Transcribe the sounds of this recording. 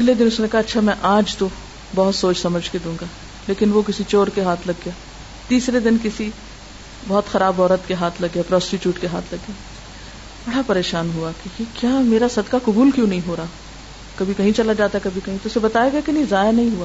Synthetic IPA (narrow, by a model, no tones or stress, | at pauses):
ɐɡled̪ɪnʊsnekɐɦaɐtːʃʰamɛ̃ʔaːd͡ʒt̪o | bɐɦʊt̪soːt͡ʃsɐməd͡ʒʱked̪ũːŋɡaː | leːkɪnʋokɪsit͡ʃoːɾkeɦaːt̪ʰlɐɡːjaː | t̪iːsɾed̪ɪnkɪsi | bɔːt̪xɐɾaːbɔːɾət̪keɦaːt̪ʰlɐɡːjapɾɔːsʈɪʈjuːʈkeɦa̰ːt̪ʰlɐɡjaː | b̥ɐɽapɐɾeːʃaːnɦuakekekjaːmeːɾasɐd̪kakʊbuːlkjõːnɐɦĩɦoːɾaː | kɐbʱikɐɦĩt͡ʃɐlad͡ʒaːt̪aekɐbʱikɐɦĩt̪oʊsebɐt̪aːjaɡɐakenɐĩzaːjanɐɦĩɦuaː